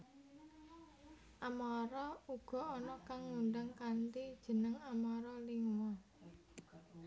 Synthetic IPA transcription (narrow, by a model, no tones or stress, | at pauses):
ʔamɔɾɔuɡ̥ɔ̤ɔnɔkaŋːunɖaŋkant̪id̥ʒ̥ə̤nəŋamɔɾɔliŋwa